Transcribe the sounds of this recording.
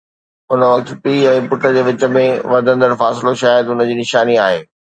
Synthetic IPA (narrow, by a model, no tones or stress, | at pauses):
ʊnəʋɐkt̪piːɛ̃ːpʊʈʰəd͡ʑeːʋɪt͡ɕə̆mẽʋɐɾd̪ʱə̃nd̪əɾfaːsɪloʃaːjəd̪ʊnə̆d͡ʑiːnɪʃaːniaːɦeː